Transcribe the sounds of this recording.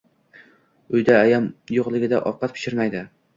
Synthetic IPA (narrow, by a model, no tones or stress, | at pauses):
ʊjd̪aːjamjoqlˠɪɡʲɪd̪aʔɒfqɑt̪̚pʰɪ̥ʃɪɾmajd̪ɪ